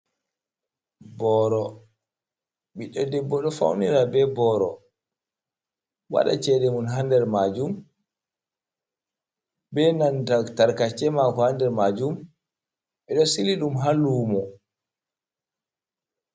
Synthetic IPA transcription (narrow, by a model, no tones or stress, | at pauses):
bɔɾɔ | ɓiɗɔdɛbːɔɗɔfa̰wniɾabɛbɔɾɔ̰ | wa̰ɗa̰t͡ʃɛɗɛmunɦandɛɾmad͡ʒum | bɛnantataɾkat͡ʃɛmakɔhandɛɾmad͡ʒum | ɓɛɗɔsiliɗumɦalːumɔ